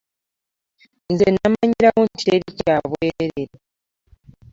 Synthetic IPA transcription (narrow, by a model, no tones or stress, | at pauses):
nzenamaɲiɾawontʰeɾicaβweɾeɾeɾe